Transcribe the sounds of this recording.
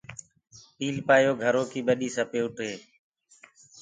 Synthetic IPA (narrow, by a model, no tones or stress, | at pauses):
piːlpaːjoːɡʱəɾoːkiːɓəɗiːsãːpeːʊʈeː